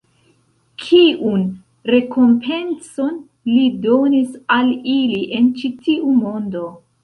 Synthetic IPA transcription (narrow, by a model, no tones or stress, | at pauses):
kʰiʔun | ɾe̞ko̞mpʰe̞nso̞n | lido̞nisaliliʔe̞nt͡ʃitiumo̞ndo̞